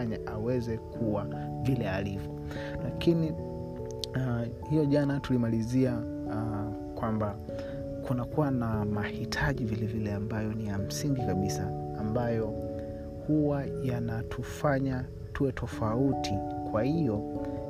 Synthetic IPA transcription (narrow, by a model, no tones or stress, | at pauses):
ɲaʔawɛzɛkʰuwa | vilɛalivjɔ | lakini | hijɔʄanatulimalizia | kwamba | kunakuwanamahitʰaʄivilɛvilɛambajɔnijam̩siŋɡikaɓisaː | mbajɔ | huwajanatʰufaɲa | tuwɛtʰɔfautikwahijɔ